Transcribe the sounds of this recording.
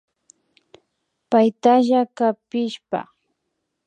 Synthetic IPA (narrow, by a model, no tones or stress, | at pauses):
pajt̪aʒakapɪʃpa̰